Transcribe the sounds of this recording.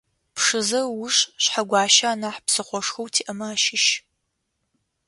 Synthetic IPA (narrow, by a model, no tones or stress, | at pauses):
pʂɨzɐwʊʂɕħaɡʷɑːʃaːnaħpsɨχʷɔʂxɐwtʰiːʔɐmaaːʃɪʃ